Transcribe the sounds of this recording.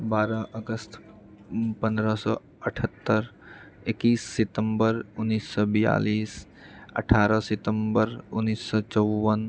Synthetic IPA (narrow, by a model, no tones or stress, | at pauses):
baːɾəʔəɡəst̪ʰ | pə̃nd̪ɾəsɔ | əʈʰət̪ːəɾ | ekiːsːɪt̪əmbəɾʊnːiːsːɔbija̰ːliːs | ə̰ʈʰaːɾəsɪt̪əmbəɾʊnːiːsːɔt͡ʃɔwːən